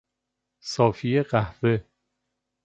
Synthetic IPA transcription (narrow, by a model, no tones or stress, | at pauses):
sɒːfijeɢæhve